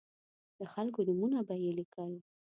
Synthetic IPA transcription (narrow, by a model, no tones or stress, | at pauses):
d̪̥əxalkonʊmunabajelikawi